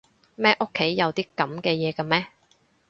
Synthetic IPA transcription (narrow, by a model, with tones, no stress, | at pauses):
mɛː˥ʔo˥kʰːe˨˥jːɐ˨˧wt̪iː˥kɐ˨˥mkɛː˧jɛː˨˧kɐ˧mɛː˦˥